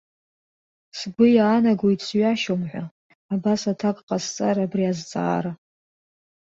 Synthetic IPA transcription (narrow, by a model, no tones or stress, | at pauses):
sɡʷʊjaːnaɡʷojtʰʼsɥaʃomħʷa | abasatʰakʼqʼast͡sʼaɾabriazt͡sʼa̰ːɾa